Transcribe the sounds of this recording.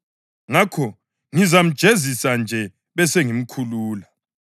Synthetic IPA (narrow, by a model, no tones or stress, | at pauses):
ŋakʰɔ | ŋizam̩d̥ʒ̥ʱezisand͡ʒʱɛ | βɛseŋim̩kʰuluːla